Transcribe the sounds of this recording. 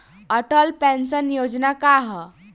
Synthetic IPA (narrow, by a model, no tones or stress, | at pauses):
əʈəlpɛ̃nsənjod͡znakaɦ